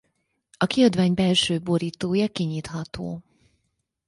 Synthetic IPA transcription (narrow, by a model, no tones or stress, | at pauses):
ɒkiɒd̪vaːɲbɛlʃøːboɾiːt̪oːjɒkiɲiːt̪ɦɒt̪o̰ː